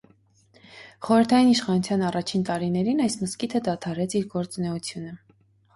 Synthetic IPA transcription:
χɔɾəɾt̪ʰɑjiniʃχɑnut͡sʰjɑnɑrɑt͡ʃʰint̪ɑɾinɛɾinɑjsməskit̪ʰəd̪ɑt̪ʰɑɾɛt͡sʰiɾɡɔɾt͡sunɛut͡sʰjunə

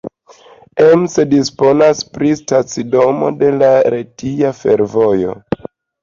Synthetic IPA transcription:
emsedispo̞naspɾistat͡sido̞mo̞̰de̞laɾetiafe̞ɾvo̞jo̞̰

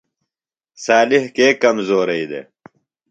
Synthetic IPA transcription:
saːlɪhkeːkɐmzoːɾɐid̪ḛ

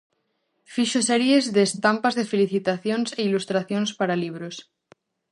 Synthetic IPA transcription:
fiʃoseɾjezðeːst̪ampazðefeliθit̪aθjonseilust̪ɾaθjonspaɾaliβ̞ɾos

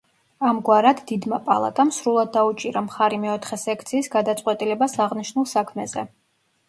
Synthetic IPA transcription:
amɡwaɾad̪d̪id̪mapʼa̰lˠa̰t̪ʼamsɾulˠad̪ːaut͡ʃʼiɾamχaɾimɛɔt̪ʰχɛsɛkʰt̪sʰiːsɡad̪at̪sʼqʼwɛt̪ʼilɛbasaʁniʃnulˠsakʰmɛzɛ

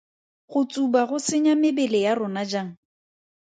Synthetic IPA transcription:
χʊt͡sʼubaɣʊsɪɲamɪbɛlɪjarʊnad͡ʒaːŋ̩

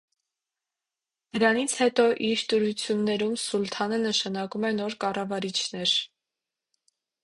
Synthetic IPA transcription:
d̪̥əɾɑnit͡sʰhɛt̪ɔʔiɾt̪əɾut͡sʰjunːɛɾumsult̪ʰɑnənəʃɑnɑkumɛnɔɾkɑrɑvɑɾit͡ʃʰnɛɾ

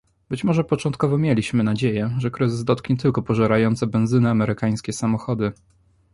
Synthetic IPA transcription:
bɘt͡ɕmɔʐɛpɔt͡ʂɔnt̪̚kɔvɔmʲjelʲiɕmɘnad͡ʑejɛʐɛkɾɘzɘzd̪ɔt̪̚kɲɛt̪ɘlkɔpɔʐɛɾajɔnt̪sɛbɛnzɘnɘamɛɾɘkaj̃skʲɛsamɔxɔd̪ɘ

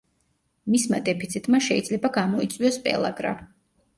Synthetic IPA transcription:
mismad̪ɛpʰit̪sʰit̪ʼmaʃɛid̪zlɛbaɡamɔit̪sʼwiɔspʼɛ̰lˠa̰ɡɾa̰

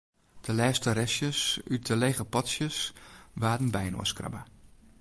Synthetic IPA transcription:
d̥əlɛːstəɾɛsjəsytəleːɣəpɔtsjəsʋaːdən̩bɛjno̰əskra̰bə

